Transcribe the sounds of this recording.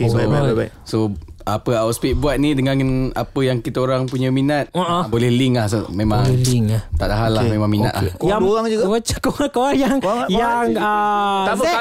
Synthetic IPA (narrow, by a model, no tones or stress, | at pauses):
ksbajbabajbaj | soapəawt̪spit̪̚buat̪̚nidəŋãnənapəjaŋkit̪əoɾaŋpuɲəminat̪̚oʔbolɛhliŋlahsomẽmãŋliŋat̪aʔdaɦalamẽmãŋmina̰t̪̚laaoɣaŋd͡ʒuɡawat͡ʃakoŋakoajaŋjaŋəa